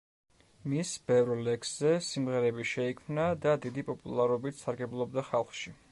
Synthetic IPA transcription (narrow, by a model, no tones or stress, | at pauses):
misbɛvɾlɛksz̥ɛsimʁɛɾɛbiʃɛikʰmnad̪ad̪id̪ipʼɔpʼṵlˠaɾɔbit̪saɾɡɛblˠɔbd̪aχalˠχʃi